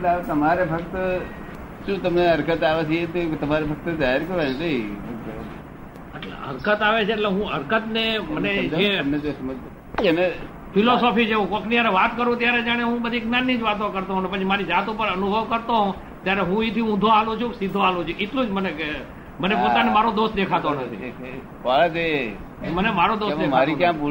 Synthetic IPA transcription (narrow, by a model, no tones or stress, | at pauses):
ʈlaʋet̪əmaɾebʱək̚t̪ | ʃũt̪əmneəɾkət̪aʋet͡ʃʰiet̪et̪əmaɾebʱək̚t̪d͡ʒaɦeɾkəɾʋand̪əibʰʱək̚t̪ | əʈlḛə̰ɾkət̪aʋet͡ʃʰeːʈleɦũəɾkət̪neməned͡ʒeəmned͡ʒosməd͡ʒ | ene | fʰilosɔpit͡ʃʰeɦũkõknijaɾeʋat̪kəɾũt̪jaɾed͡ʒaɽ̃eɦũbəd̪ʱiɡnanːid͡ʒʋat̪õkəɾt̪oɦnepət͡ʃʰimaɾid͡ʒat̪ũpəɾənubʱəʋkəɾt̪oɦõ | t̪jaɾeɦũet̪ʰiũd̪ʱoalũt͡ʃʰũsid̪ʱːoalũt͡ʃʰuʔeʈlũd͡ʒməneke | mənepoanemaɾod̪os̚d̪ekʰat̪onət̪ʰḭ | kat̪e | mənemaɾod̪osdemaɾikjã